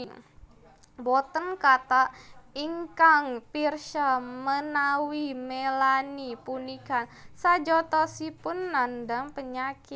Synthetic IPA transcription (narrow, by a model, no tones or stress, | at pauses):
bɔt̪ənkat̪aʔiŋkaŋpirʃamənawimelanipunikansad͡ʒɔt̪ɔsipʊnːandaŋpəɲakɪt̪̚